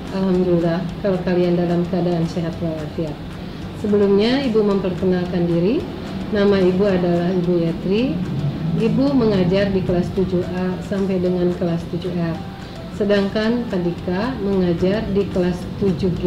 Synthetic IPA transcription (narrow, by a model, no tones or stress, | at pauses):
alɦamdulilahkalakaliandalamkəadaːnseɦat̪waɾafiat̪̚ | səbəlumɲaibuməmpərkənalkandiɾi | namaibuadalahibujat̪ɾi | ibuməŋad͡ʒardikəlast̪ud͡ʒuasampajdəŋankəlast̪ud͡ʒuɛr | sədaŋkankadikaməŋad͡ʒardikəlast̪ud͡ʒuɡ